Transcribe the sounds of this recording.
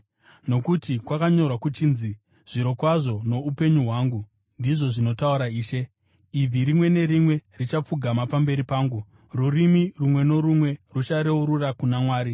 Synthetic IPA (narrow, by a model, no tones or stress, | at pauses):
no̞kutikwakaɲo̞rwakut͡ʃiːnzi | ʐ̥iɾo̞kwaʐo̞no̞upe̞ɲuɦwaːŋɡu | ndiʐo̞ʐino̞tauɾaiːʃe̞ | ib͡viɾimwe̞ne̞ɾimwe̞rit͡ʃap͡fuɡʱamapambe̞ɾipaːŋɡu | rurimirumwe̞no̞ɾumwe̞rut͡ʃaɾeuɾurakunamwaːɾi